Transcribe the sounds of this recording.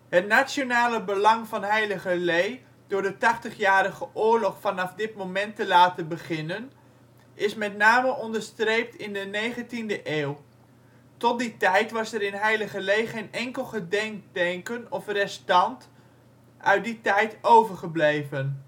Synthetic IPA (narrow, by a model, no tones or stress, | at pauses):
hətnasjonaːləbəlɑŋvɑnɦɛjləχəlej | dʊːɹdətɑχtəχjaːɾəχəʔʊːɹlɔχfɑnɑfdɪtmowmɛntəlaːtənbəχɪnən | ʔɪsmɛtnaːməʔɔndəɹstrejp̚tɪndənejχəntindəʔeːw | tɔt̚ditɛjtʋɑsəɾɪnɦɛjləχəlejχejnɛŋkəlˠχədɛŋk̚dɛŋkənɔfrɛstɑnt | ʔœɥt̚ditɛjtowvəɹχəblejvən